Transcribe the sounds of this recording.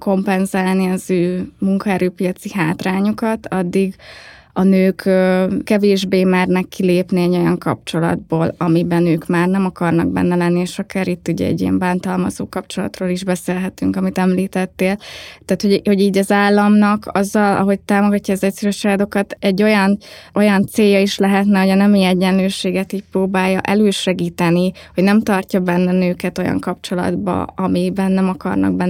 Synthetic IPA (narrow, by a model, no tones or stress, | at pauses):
ko̞mpɛnzaːlniɒzøːmuŋkɒɛɾøːpijɒt̪siɦaːt̪raːɲukɒt̪ɒd̪ːiɡ | ɒnøːkøkːɛveːʒbeːmaːrnɛkːileːpniɛɟo̞jɒŋkɒ̰p̚t͡ʃo̞lɒ̰d̪̚boːlɒmibɛnøːkmaːrnɛmɒkɒrnɒɡ̚bɛ̰nːɛlɛnːieʃɒkaːɾit̪ːuɟɛ̰ɛ̰ɟːḭɛ̰mbaːnt̪ɒlmɒzo̰ːkɒp̚t͡ʃo̞lɒ̰t̪roːliʒbɛseːlɦɛt̪yŋkɒmit̪ɛmliːt̪ɛt̪ːeːlt̪aːt̪hoɟho̞ɟiːɟɒzaːlːɒmnɒkʰɒzːɒlɒ̰ɦo̞c̚t̪aːmo̞ɡɒcːɒːzɛcsɛɾøʃaːd̪o̞kɒt̪ɛɟːo̞jɒnʔo̞jɒnt̪seːjːɒiʃlɛɦɛt̪nɛho̞ɟɒnɛmiɛɟːɛnløːʃeːɡɛt̪iːc̚proːbaːjːɒʔɛløːʃɛɡiːt̪ɛnihoɟnɛmt̪ɒrcɒbɛnːɛnøːkɛt̪o̞jɒ̰ŋkɒp̚t͡ʃo̞lɒ̰d̪bɒ̰ɒmibɛnːɛmɒkɒ̰rnɒ̰ɡ̚bɛn